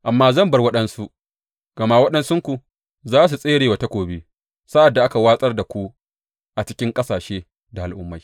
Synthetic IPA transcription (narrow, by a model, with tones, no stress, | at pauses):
ʔa˨mːaː˦zɐ˦˨mbɐ˨rwɐ˦ɗɐ˦nsu˦ | ɡ̥ɐ˨ma˦wɐ˦ɗɐ˦nsʊ˦ŋkʷu˨ | zaː˦s̬u˨sʼeː˦ɽeː˨wa˨ta˦kʷoː˨bi˦ | sa˦ʔa˨dːa˨ʔa˦ka˨waː˦sʼɐ˦rda˨kʷu˦ | ʔa˨t͡ʃɪ̥˦kʲɪ˦ŋkʼɐ˦saː˨ʃeː˦ | da˨ʔa̰˨lʔʊ˦mːa˨j